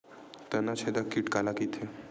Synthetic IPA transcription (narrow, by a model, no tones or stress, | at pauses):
t̪ənat͡ʃʰed̪akiʈkalakit̪ʰe